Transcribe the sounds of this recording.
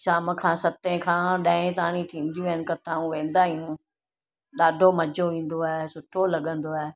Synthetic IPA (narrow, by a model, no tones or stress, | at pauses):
ʃaːmkʰãːsɐt̪ẽkʰãːɗɐ̃ɦɪ̃t̪ɐãnĩt̪ʰĩːnd̪ijũʋənɪkɐt̪aːũʋẽːn̆d̪aɦiũ | ɗaːɖʱomɐd͡ʑʱoʋĩːn̆d̪oaːɦesʊʈʰolɐɠə̃nd̪oaːɦe